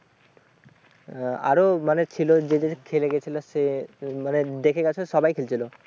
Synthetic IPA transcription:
a̰ɾomanet͡ɕʰilod͡ʑed̪ekʰeleɡet͡ɕʰilosemaned̪ekʰeɡat͡ɕʰoʃɔbajkʰelt͡ɕʰilo

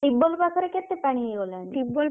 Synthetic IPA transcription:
ibːɔlpakʰɔɾeket̪ːepaɽ̃iɦejɡolanibːɔl

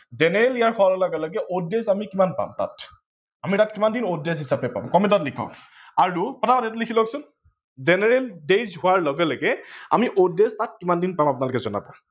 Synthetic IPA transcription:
zɛnɛɹɛlijaɹkʰɔlɔlɔɡɛlɔɡɛʔodesamikimanpa̰mta̰t | amitatkimandinodesɦisapɛpa̰mkɔmɛtatlikʰɔ̰ | aɹukɔtʰabanɛt̬ʊlikʰilɔksʊn | zɛnɛɹɛldezɦʊaɹlɔɡɛlɔɡɛa̰miʔodestat̚kimandinpamapʊnalʊkɛzɔna̰pa̰

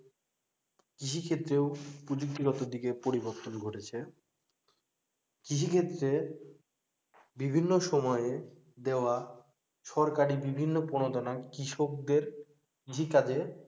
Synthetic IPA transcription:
kɾiʃ̬ʰikʰet̪ːɾeopɾud͡ʑuk̚t̪iɡɔt̪od̪ikepoɾiboɾt̪onɡʱoʈet͡ɕʰe | kiʃ̬ikʰet̪ːɾe | bibʱinːoʃɔmɔee | d̪eoa | ʃɔɾkaɾibibʱinːoponod̪ɔnakɾiʃok̚d̪eɾ | kiʃikad͡ʑe

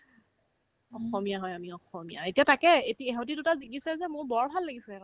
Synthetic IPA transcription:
ɔxɔmijaɦɔjamiɔxɔmija̰etiatakɛetiɛɦɔtidutaziɡisɛzɛmʊɹbɔɹbʱalːaɡisɛ

